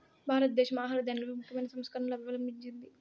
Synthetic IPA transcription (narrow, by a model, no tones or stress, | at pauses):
bʱaːɾɐt̪̚d̪ɛːʃɐmaːɦaːlɐd̪ɐnloʋimukʰjɐmɐjnɐsɐmskɐɾɐnlɐbʋɐlɐmiɲd͡ʒind̪i